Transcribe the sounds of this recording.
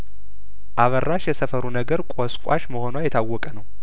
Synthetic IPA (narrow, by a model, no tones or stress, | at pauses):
ʔaβərːaʃjɛsəfəɾunəɡəɾkʷʼɔskʷʼa̰ʃməho̞nwajɛt̪ʰawːɔkʼənəw